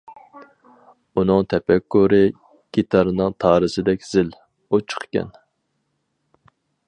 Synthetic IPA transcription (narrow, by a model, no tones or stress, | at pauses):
unɨŋt̪ʰɛpɛkːuɾɨ | ɡ̥ʲit̪ʰɑɾɨnɨŋt̪ʰɑːɾɨsɪd̪ɛkʲz̥ɪl | ut͡ʃʰə̥χkʲɛ̰n